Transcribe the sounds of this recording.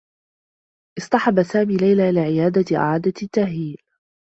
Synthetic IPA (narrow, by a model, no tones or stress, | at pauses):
ʔɪsˤt̪ˤɑħɑbasaːmiːlajlaːʔɪlaːʕɪjaːd̪aʔa̰ʕaːd̪at̪ːahliːl